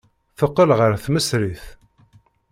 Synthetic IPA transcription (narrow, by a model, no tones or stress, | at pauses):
θəqːəlʁəɾθməsɾiθ